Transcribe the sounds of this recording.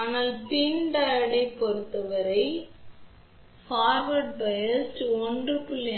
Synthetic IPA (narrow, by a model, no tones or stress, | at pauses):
aːnaːlt̪iːɳɖaːjɽɐɪpːɔɾɯt̪ːɐʋɐɾɐɪ | faːɾʋɐʈ̚bɐjɐsʈɔndrɯpʊlːɐ